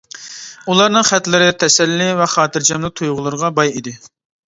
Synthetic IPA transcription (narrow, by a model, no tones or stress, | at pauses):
ulˠɑɾnɨŋχæt̪lɪɾɪt̪ʰɛsɛlːɪvɛχɑːt̪ɨɾd͡ʒɑmlˠɨt̪ʰujʁʊlˠɨɾəʁɑbɑjid̪ɪ